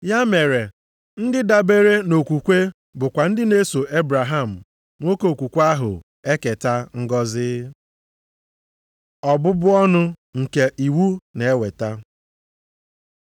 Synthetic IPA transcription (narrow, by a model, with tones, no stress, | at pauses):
ja˦me˨ɾe˨ | n̩˦dɪ˦da˨be˦ɾe˦no˨kʷu˨kʷe˦ | bʊ˨kʷa˨n̩˦dɪ˦ne˦so˨e˦bɾa˨ɦa˦˨m̩˨ | ŋʷo˦ko˨o˨kʷu˨kʷa˦ɦʊ̰˨ | e˦ke˨ta˦ŋ̩˦ɡɔ˦zɪ˦ | ɔ˨bʊ˦bʊ˦ɔ˦nʊ˦ | ŋ̩˨ke˨ʔi˨wu˦ne˨e˦we˨ta˦